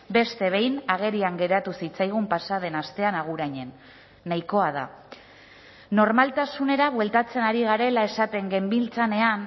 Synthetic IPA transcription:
be̞st̪e̞β̞e̞jnaɣ̞e̞ɾiaŋɡe̞ɾat̪usit͡sajɣ̞umpasað̞e̞nast̪e̞anaɣ̞uɾaɲe̞nː | ajko̞að̞a̰ | no̞ɾmalt̪asune̞ɾaβwe̞lt̪at͡se̞naɾiɣ̞aɾe̞lae̞sat̪e̞ŋɡe̞mbilt͡sane̞an

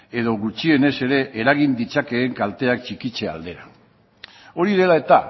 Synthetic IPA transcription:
e̞ð̞o̞ɣut͡ʃie̞ne̞se̞ɾe̞ʔeɾaɣ̞ind̪it͡sake̞ːŋkalt̪e̞ak̚t͡ʃikit͡ʃe̞a̰ld̪e̞ɾa | o̞ɾið̞e̞lae̞t̪a

